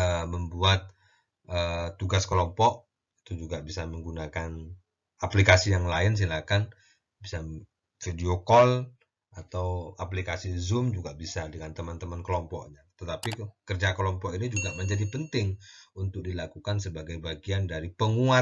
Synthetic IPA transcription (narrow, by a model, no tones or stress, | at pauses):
əməmbuat̪̚ | ʔət̪ːuɡaskəlɔmpɔʔ̚ | it̪ud͡ʒuɡabisaməŋɡunakan | aplikasijaŋlaɪns̬ilakan | bisa | fidiokɔl | at̪awaplikasizʊmd͡ʒuɡabisadəŋant̪əmant̪əmankəlɔmpɔʔɲat̪ət̪apikərd͡ʒakəlɔmpɔkinid͡ʒuɡaməɲd͡ʒadipənt̪ɪŋunt̪ʊk̚dilakukansəbaɡajbaɡiandaɾipəŋua